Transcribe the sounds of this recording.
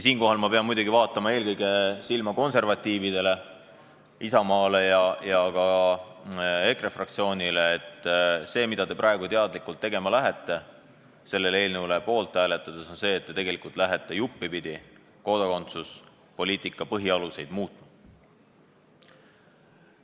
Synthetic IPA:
jɑsiːnko̞ɦɑlmɑpe̞ɑnmujd̪uɡivɑːt̪ːˑɑmɑe̞ːlkɤjɡe̞silmɑko̞nse̞rvɑt̪ːˑiːvid̪e̞le̞ | isɑmɑːle̞jɑjɑkɑ | e̞krefrɑk̚t̪sio̞ːnʲile̞ːt̪ːse̞ːmid̪ɑt̪e̞prʔɑe̞ɡ̥ut̪eɑd̪likult̪ːe̞ɡe̞mɑlæɦet̪ːˑe̞ | se̞lːe̞lee̞ːlnewle̞po̞ːlt̪hæːle̞t̪ːˑɑd̪̥eso̞nse̞ːt̪ːet̪e̞ɡ̥e̞likult̪ˑlæɦe̞t̪ˑːe̞jupːipid̪̥i | ko̞d̪̥ɑko̞nt̪sus | po̞liːt̪ˑikːˑɑpɤɦiɑluse̞jd̪̥muːt̪ːˑmɑ

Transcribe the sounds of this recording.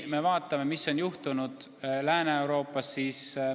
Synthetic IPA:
me̞vɑːt̪ˑːɑme̞misːo̞njuht̪unud̪̥læːneewɾo̞ːpːˑɑsːiːs

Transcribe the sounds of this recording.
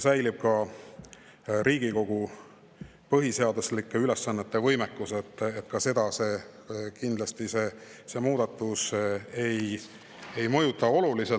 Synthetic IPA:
sæjlib̥̚kɑ | ɾiːɡ̥iko̞ɡ̥u | pɤɦise̞ɑd̪̥uslikːˑe̞ylesːɑnːet̪ːˑe̞vɤjmekːˑuset̪ːˑet̪ˑkɑse̞d̪̥ɑsekind̪lɑst̪ise̞se̞muːd̪̥ɑt̪ːˑuse̞j | e̞jmɤjut̪ːˑɑo̞lulise

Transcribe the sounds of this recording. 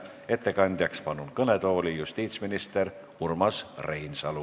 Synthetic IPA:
e̞t̪ːe̞kɑnʲd̪̥ʲjɑkspɑnːunkɤned̪o̞ːlijust̪iːt̪sminist̪eɾ | urmɑsre̞jnsɑlu

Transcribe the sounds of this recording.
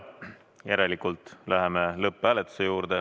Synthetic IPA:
jæɾe̞likˑult̪ˑlʔæɦe̞me̞lɤpˑːæːlet̪ːˑu̥se̞juːɾd̪̥e̞

